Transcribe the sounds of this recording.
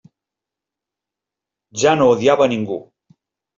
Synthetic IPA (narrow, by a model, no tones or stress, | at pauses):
ʒanoːðiaβəniŋɡṵ